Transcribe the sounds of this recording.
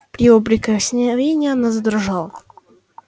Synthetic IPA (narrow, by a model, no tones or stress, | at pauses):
pɾʲɪobɾʲɪkəxsʲnʲɪvʲenʲɪjənəzd̪ʲɾʐalˠ